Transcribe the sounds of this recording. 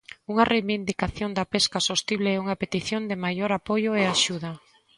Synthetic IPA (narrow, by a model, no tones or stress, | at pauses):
uŋɐrʔejβind̪ikaθjond̪ɐpeskasost̪iβleɛuŋɐpet̪iθjond̪ɪmajoɾapojʊeaʃuðɐ